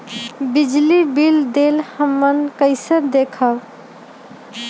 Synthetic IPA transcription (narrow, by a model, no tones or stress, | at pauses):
bid͡ʒlibild̪elhəmːənkəɪsəɾd̪ekʰəl